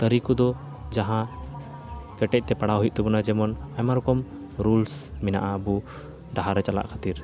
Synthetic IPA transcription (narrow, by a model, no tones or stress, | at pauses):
t̪əɾikud̪ɔ | d͡ʒaɦã | kɛʈɛc̚ˀt̪ɛpaɽawɦujʔ̚t̪ɔbunad͡ʒɛmɔnamaɾɔkɔm | ɾulsmina̰ʔaəbu | ɖaɦaɾɛt͡ʃala̰ʔkʰat̪iɾ